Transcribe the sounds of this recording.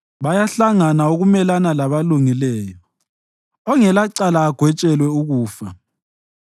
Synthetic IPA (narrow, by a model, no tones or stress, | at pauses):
βajaɬaŋanauɣumɛlanalaβaluŋilɛːjɔ | ɔŋɛlaǀalaːɡ̥ʱwɛt͡ʃʼɛlwɛuɣuːfa